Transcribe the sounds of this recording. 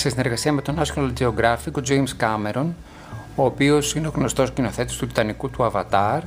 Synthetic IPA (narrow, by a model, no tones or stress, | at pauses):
se̞sine̞ɾɣɐsiɐme̞t̪o̞nɐsjonɐld͡zeo̞ɡɾɐfiko̞d͡ʒe̞jmskɐme̞ɾo̞n | oːpio̞sineo̞ɣno̞st̪o̞scino̞θe̞t̪ist̪ut̪i̥t̪ɐnikut̪uɐvɐt̪ɐɾ